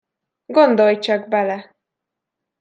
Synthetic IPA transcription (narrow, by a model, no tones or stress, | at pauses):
ɡo̞nd̪o̞lt͡ʃɒɡ̚bɛlɛ